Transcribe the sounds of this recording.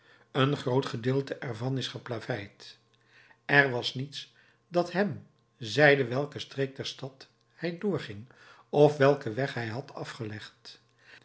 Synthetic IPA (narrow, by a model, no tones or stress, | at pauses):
ənχrowtχədɪːlˠtəʔɛɹvɑnɪsχəplavɛjt | ɛrʋɑsnits | dɑtɦɛm | zɛjdəʋɛlˠkəstrejk̚dɛɹstɑt | hɛjdʊːɹχɪŋ | ɔfʋɛlˠkəʋɛχɦɛjɦɑtʰɑfχəlɛχt